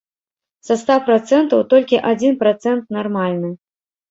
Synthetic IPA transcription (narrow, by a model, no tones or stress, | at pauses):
sɐst̪apɾat̪sɛnt̪ɐwt̪ɔlʲkʲiʔad͡zʲinpɾat̪sɛnt̪̚narmalʲnɨ